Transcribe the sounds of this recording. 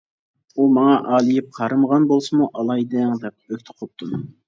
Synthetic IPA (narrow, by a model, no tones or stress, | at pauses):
umɑŋɑʔɑːlˠijip̚qʰɑɾɨməʁɑnbolˠsɨmuʔɑlˠɑjd̪ɪŋd̪ɛp̚økʲt̪ʰə̥qʰop̚t̪ʰum